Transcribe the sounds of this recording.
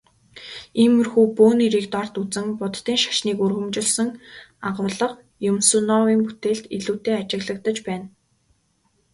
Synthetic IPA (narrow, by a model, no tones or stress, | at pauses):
imɵ̆rxuːpoːniɾiːkt̪ɔr̥t̪ut͡sɘ̆ŋpʊt̪ːiːŋʃḁʃniːkurɣɵ̆mt͡ɕɪ̆ɮsɞ̆ŋaʁʊːɮə̆q | jʊmsunɔwiːŋput̪eːɮt̪iɮuːt̪eːat͡ɕɪ̆ɣɮə̆k̚t̪ə̆t͡ɕpæːn